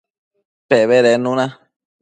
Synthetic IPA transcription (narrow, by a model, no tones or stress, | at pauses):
teβeɾenũnã